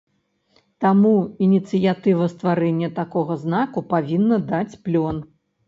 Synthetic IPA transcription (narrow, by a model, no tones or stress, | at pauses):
t̪amuinʲit̪sɨjat̪ɨvɐst̪vaɾɛnʲːɐt̪akɔɣɐznakupavʲinːɐd̪at͡sʲplʲɔn